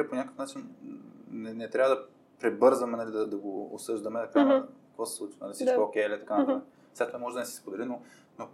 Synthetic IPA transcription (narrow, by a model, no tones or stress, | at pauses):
ɛpoɲʲakəfnat͡ʃin | nɛnɛt̪ɾʲavəd̪ɐ | pɾɛbɤɾzɐmɛnɐlid̪ɐd̪ɐɡo̰ːsɤʒd̪ɐmɛt̪ɐkankkə̥kvɔsɛ̥sˠut͡ʃvɐnɐlisi̥ɔokɛɛlʲit̪ɐkant̪a | vzɛt̪ovamɔʒɛd̪ɐnɛsi̥spod̪ɛlino | no